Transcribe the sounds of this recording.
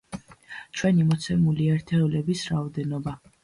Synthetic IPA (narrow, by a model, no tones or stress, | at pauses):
t͡ʃʰwɛnimɔt̪sʰɛmuliɛɾt̪ʰɛɔlɛbisɾaɔd̪ɛnɔba